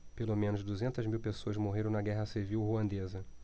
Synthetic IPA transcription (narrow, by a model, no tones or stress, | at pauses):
pelomẽnʊzd̪uzẽnt̪ɐzmiwpesoɐzmoɦeɾɐ̃w̃nɐɡɛɦɐsiviwhuɐ̃nd̪ezɐ